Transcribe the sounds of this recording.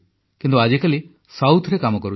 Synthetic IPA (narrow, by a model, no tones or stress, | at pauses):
kint̪uad͡ʒekali | sawt̪ʰɾekamɔkɔɾu